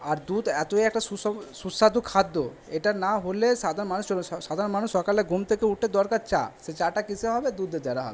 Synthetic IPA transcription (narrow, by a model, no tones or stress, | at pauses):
aɾd̪ud̪ɛt̪oijɛk̚ʈasuɔsusːad̪ukʰad̪ːo | eʈanaɦoleʃad̪ʱaɾonmanuʃd͡ʑoʃad̪ʱaɾonmanuʃːɔkaleɡumt̪ʰekeuʈʰed̪ɔɾkaɾt͡ɕa̰ʃet͡ɕaʈakit͡ɕʰeɦɔbed̪ud̪ːed̪eɾaɦɔ̰be